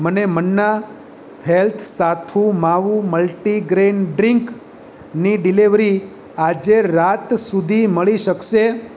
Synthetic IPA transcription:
mənemənːa | helt̪ʰsat̪ʰumaʋuməlʈiɡɾenɖɾɪŋk | niɖiliʋɾi | ad͡ʒeɾat̪sud̪ʱiməɭiʃəkʃe

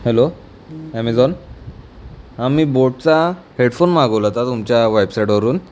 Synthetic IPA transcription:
helo | æmɛd͡zɔn | amiːboʈ̚t͡saheɽfonmaɡəʋlat̪at̪umt͡ɕjaʋajbsajʈʋəɾuːn

